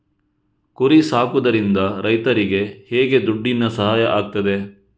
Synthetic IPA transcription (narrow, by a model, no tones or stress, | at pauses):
kuɾisaːkud̪ɐɾind̪ɐɾɐjt̪ɐɾiɡe̞hɛːɡe̞d̪uɖːinːɐsɐɦaːjɐʔaːɡ̚t̪ɐd̪e̞